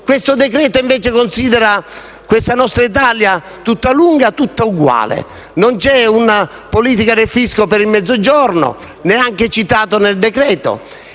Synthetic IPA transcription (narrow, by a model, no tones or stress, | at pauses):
kwest̪od̪ɛkɾɛːt̪oiɱvɛːt͡ʃɪkonsiːd̪ɛɾa | kwest̪anɔst̪ɾait̪alja | t̪ut̪ːaluŋɡat̪ut̪ːauɡwa̰ːlɪ̰ | nont͡ʃɛuna | poliːt̪̬ikad̪efiskopeɾimːɛd̪zːod͡ʒɔrno̰ | neaŋk̟et͡ʃit̪aːt̪oneld̪ekɾɛːt̪o̰